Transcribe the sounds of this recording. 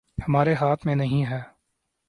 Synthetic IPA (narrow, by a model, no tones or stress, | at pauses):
hɐmaːɾeɦaːt̪ʰmẽnəɦĩɦɛː